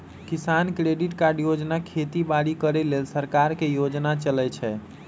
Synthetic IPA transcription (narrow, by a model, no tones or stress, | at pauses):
kisankɾeɖiʈkaɾɖjod͡ʒnakʰet̪ibaɽikəɾelelsəɾkaɾkejod͡ʒnat͡ʃəlɛt͡ʃʰɛ